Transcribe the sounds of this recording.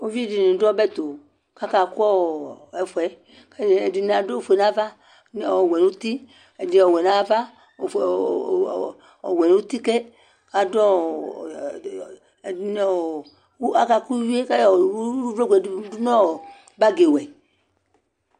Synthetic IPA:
o˦vi˦di˨nĩ˨dɔ˦bɛ˦t̪o˨ | ka˦ka˨ku˦ɔ˦ɛ˨fwɛ˨˦ | kɛ˨di˨na˨do˦fe˨nã˦va˦ | n˨˦˨wɛ˨nu˦t̪i˦ | ɛ˨di˨ɔ˨wɛ˨nã˦va˦˨ | ɔ̰˨wɛ˨n˦u˦t̪i˦kɛ˦ | ka˨dɔ˦˨ | i˨n˨˦ | a˦ka˦ku˦wi˦e˦ka˦jvɾo˦ɡʷɛ˨˦du˦nɔ̃˦˨ | ba˦ɡe˨wɛ˨

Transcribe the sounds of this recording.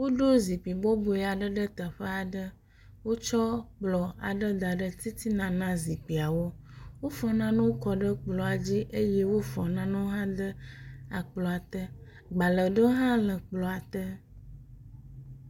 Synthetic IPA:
wo˦ɖo˦zi˨pi˨bɔ˦bo˨ɛ˨a˨ɖə˦ɖə˦t̪ə˨ɸə˦a˨ɖə˦ | wo˦t͡ʃɔ˦k͡plɔ˨a̰˨ɖə˦d̪a˨ɖə˦t̪i˦t̪i˦nã˨nã˦zi˨k͡pi˨a˨wo˦wo˦fɔ˨nã˦nũ˦wo˦kɔ˨ɖə˦k͡plɔ˨a˨d͡ʑi˦ʔe˦je˦wo˦fɔ˨nã˦nũ˦ɦã˦d̪ə˦a˨k͡plɔ˨a˨t̪ə˦ | ɡ͡ba˨lə˨ɖə˦ɦã˦lə˨k͡plɔ˨a˨t̪ə˦

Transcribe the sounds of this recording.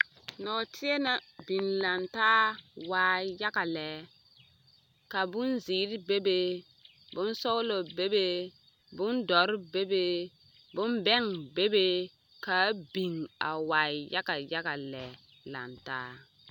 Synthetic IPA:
nɔ˨tʰi˦e˦na˨bi˨nla˨ntaː˦waː˨ja˦ka˨lɛ˨˦ | ka˨bʊ˦nziː˨˦ɾbe˦be˦ | bʊ˦n˦so˦lo˨be˦be˦ | bʊ˦ndɔ˨˦ɾbe˦be˦ | bʊ˦nbɛ˦ŋbe˦be˦ | ka˨˦bi˨ŋa̰˨waː˨ja˦ka˨ja˦ka˨lɛ˨ | la̰˨ntaː˦

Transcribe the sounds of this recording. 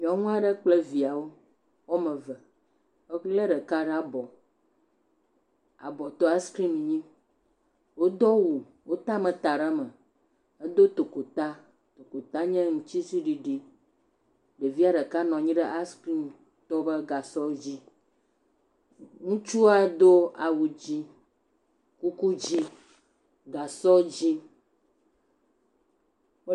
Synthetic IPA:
mĩ˨ɔ̃˨˦ŋũ˦a˦ɖə˦k͡ple˦vi˨a˨wo˦ | wɔ˦mə̃˨və˨˦ | le˦ɖə˨ka˦ɖa˨bɔ˨ | a̰˨bɔ˨t̪ɔ˦a˦skɾi˦mɲĩ˦ | wo˦d̪ɔ˦wu˨ | wo˦t̪a˦mə̃˨t̪a˨ɖə˦mə˨ | ə˦d̪o˦t̪o˨ko˨t̪a˦ | t̪o˨ko˨t̪a˦ɲɛ̃˦ŋũ˨t͡ɕi˦si˦ɖi˨ɖi˦ | ɖe˨vi˦a˦ɖə˨ka˦nɔ̃˨ɲĩ˦ɖə˦ʔa˦ski˦m | t̪ɔ˦bə˦ɡa˨sɔ˦d͡ʑi˦ | ŋũ˦t͡ʃu˦a˨d̪o˦a˨wu˨d͡ʑi˦ | ku˦ku˦d͡ʑi˦ | ɡa˨sɔ˦d͡ʑi˦

